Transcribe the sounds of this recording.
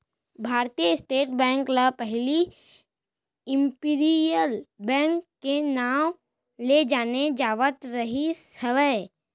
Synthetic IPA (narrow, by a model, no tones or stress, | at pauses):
bʱaːɾt̪ijəɪsʈeːʈbɛ̃ːŋkləpɛɦli | ɪ̃mpiːɾijəlbɛ̃ːŋkːenaːw | led͡ʒaːned͡ʒaːʋət̪ɾəɦisəʋəj